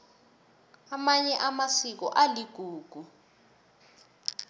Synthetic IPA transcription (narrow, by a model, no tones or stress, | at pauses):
amaɲɛʔamasik̬ɔ̰ʔaliɡ̥ʱuːɡ̥ʱu